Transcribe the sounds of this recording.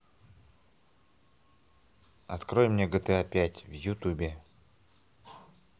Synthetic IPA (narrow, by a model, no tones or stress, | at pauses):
ɐt̪kɾojmnʲeɡət̪ɛapʲætʲvjʊt̪ubʲe